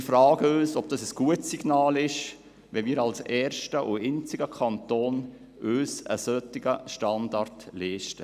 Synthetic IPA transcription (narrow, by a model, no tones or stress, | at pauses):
fɾɑːɡ̥əøːsɔb̚d̥ɑsəsɡ̥uətsiɡ̥nɑːlɪʃ | ʋɛmiːɾɑlsɛːɾʃtəʔuɪnt͡siɡəkʰɑntoːn | øːsə̰sœtːɪɡəʃtɑndɑrtlɛːʃtə